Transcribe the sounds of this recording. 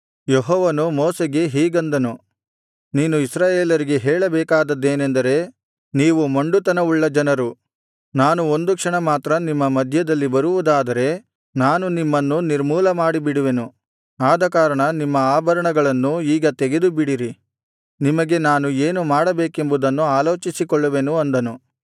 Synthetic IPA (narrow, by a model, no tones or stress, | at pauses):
jeɦɔːʋɐnumoːseɡe̞ɦiːɡɐnd̪ɐnu | niːnuisɾaːjeːlɐɾiɡe̞ɦɛːɭɐbɛːkaːd̪ɐd̪ːe̞ːnend̪ɐɾe̞ | niːʋumɐɳɖut̪ɐnɐʋuɭːɐd͡ʒɐnɐɾu | naːnuo̞nd̪ukʂɐɳɐmaːt̪ɾɐnimːɐmɐd̪ʱjɐd̪ɐlːibɐɾuʋud̪aːd̪ɐɾe̞ | naːnunimːɐnːuniɾmuːlɐmaːɽibiɽuʋe̞nu | aːd̪ɐkaːɾɐɳɐnimːɐaːbʱɐɾɐɳɐɡɐɭɐnːuiːɡɐt̪eɡe̞d̪ubiɽiɾi | nimɐɡe̞naːnueːnumaːɽɐbeːke̞mbud̪ɐnːuaːlo̞ːt͡ʃisikɔɭːɐʋe̞nuɐnd̪ɐnu